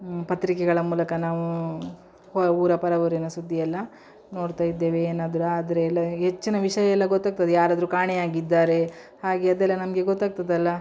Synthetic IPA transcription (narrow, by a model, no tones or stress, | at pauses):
pɐt̪ɾikɛɡɐɭɐmuːlɐkɐnaːʋu | hɔuːɾɐpɐɾɐʋuɾinɐsud̪ʱːijɛlːɐ | no̞ːɽt̪aːjid̪ːe̞ːʋeːnaːd̪ɐɾuaːd̪ɐɾeːlːɐɦet͡ʃːinɐʋiʂɐjɐɛlːɐɡot̪ːaːɡ̚t̪ɐd̪ejaːɾaːd̪ɐɾukaːɳɛjaːɡid̪ːaːɾe̞ | haːɡeɐd̪ɛlːɐnɐmɐɡe̞ɡot̪ːaːɡ̚t̪ɐd̪ɐlːɐ